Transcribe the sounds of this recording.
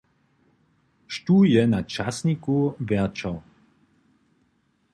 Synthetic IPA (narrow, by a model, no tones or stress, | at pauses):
ʃt̪uːjɛnat͡ʃasnikuvɛɐt͡ʃɔw